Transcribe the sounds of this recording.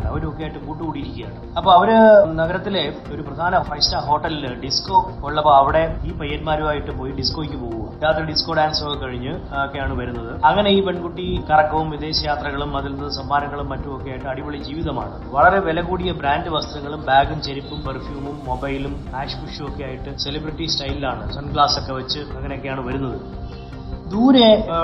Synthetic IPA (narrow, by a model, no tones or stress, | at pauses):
ɐ̰ʋɐɾo̞kːeaːjiʈːɨkuːʈːikuːɽijiɾikʲːijaːɳɨɐpːoːɐʋɐɾɨnɐɣɐɾɐt̪ːile̞ | o̞ɾuprɐd̪ʱaːnɐfɐjstaːɦo̞ːʈːɐlɖisko̞ːkoɭːɐpːoːɐʋiɽe̞iːpɐjːɐnmaːɾumaːjiʈːɨpoːjiɖisko̞ːikʲːɨpo̞ːɣuɐ̰jaːt̪rɐɖisko̞ːɖaːnso̞kːekɐɻiɲːɨ | okːejaːɳɨʋɐɾunːɐðɨɐŋːɐne̞iːpe̞ɳɖkuʈːikɐrɐkːɐʋumʋid̪e̞ːɕɐjaːt̪rɐɣɐɭumːɐðilnːɐðɨsɐmbaːnɐŋːɐɭumːɐtːumokːejaːjiʈːɨɐɽiʋoɭid͡ʑiːʋiðɐma̰ːɳɨʋɐɭɐɾe̞ʋelɐɣuːɽijɐbɾaːndɨʋɐst̪ɐɾɐŋːɐɭumbaːɡumt͡ɕe̞ɾipːumpɐrfjuːmumːo̞bɐjlumpaːʂkuʂuokːe̞jaːjiʈːɨse̞libriʈːisʈɐjlilaːɳɨsɐnɡɭaːso̞kːe̞ʋɐt͡ɕːɨɐŋːɐnejo̞kːejaːɳɨʋɐɾun̪ːɐðɨ | d̪uːɾe